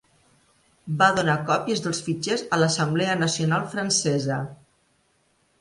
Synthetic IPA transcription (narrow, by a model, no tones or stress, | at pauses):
baðunakɔpjəzðolˠsfit͡ʃezələsəmbleənəsionalˠfɾənsɛzə